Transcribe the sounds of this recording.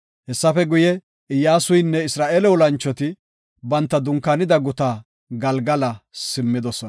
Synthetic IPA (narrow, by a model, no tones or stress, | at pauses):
hɛsːɐfɛɡʊjɛ | ɪjːaːsʊjnːɛɪsɾaːʔeːlɛwɔlɐnt͡ʃːɔt̪ɪ | bɐnt̪ːɐd̪ʊŋkɐnɪd̪ɐɡʊt̪aː | ɡɐlɡɐlɐsɪmːɪd̪ɔsɔnɐ